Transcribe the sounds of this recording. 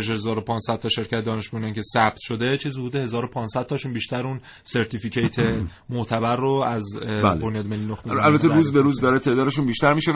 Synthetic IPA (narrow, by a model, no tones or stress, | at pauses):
eʃhzɒːɾopʰɒːnsæd̪̥̚t̪ʰɒʃe̞ɾcʰæt̪ed̪ɒːne̞ʃmuniŋcʲʰe̞sæb̥̚t̪ʰʃo̞d̪e̞t͡ʃʰizuːd̪ehe̞zɒːɾopʰɒːnsæd̪̚t̪ɒʃuːnbiːʃt̪æɾun | seɾt̪ʰificʰejt̪ʰe̞ | moʔt̪ʰæbæɾːoæzlbo̞njɒːd̪melːinoxeælbæt̪ʰːeɾuːzbeɾuːzd̪ɒɾet̪ʰe̞ʔd̪ɒːd̪e̞ʃuːnbiʃt̪æɾmiʃe